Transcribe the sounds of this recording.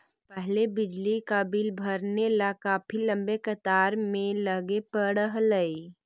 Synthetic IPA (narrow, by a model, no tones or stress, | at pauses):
pɛɦlebɪd͡ʒlikaːbilbʱəɾnelakaːpʰilɐ̃mbekət̪aːɾmẽləɡepəɽəɦləi